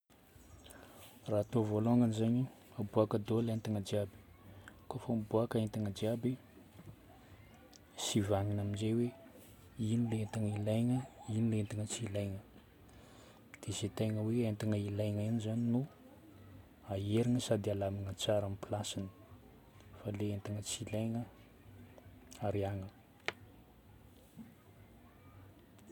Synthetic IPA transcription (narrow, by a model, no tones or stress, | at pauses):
raat̪ovoloŋanizaɲi | abuakəd̪olent̪iŋəd͡ʒiabi̥ | kofambuakəent̪iŋəd͡ʒiabi | sivaŋinaminzejwe | inilent̪iŋəilajŋəinilent̪iŋət͡siilajŋə | d̪̥ezet̪ejŋəweent̪iŋəilajŋanizaninu | aeɾiŋəsad̪ialamiŋət͡saɾamipilasinə̥ | faleent̪iŋət͡silajŋə | aɾiaŋə